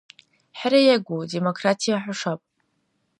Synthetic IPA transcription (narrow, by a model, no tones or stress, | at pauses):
ħaɾajaɡʷode̞mo̞kʰratʰijaħʷʊʂapʼ